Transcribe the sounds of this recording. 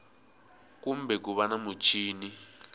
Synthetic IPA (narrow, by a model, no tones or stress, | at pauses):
kumbɛk̬uβanamut͡ʃʰʼiːni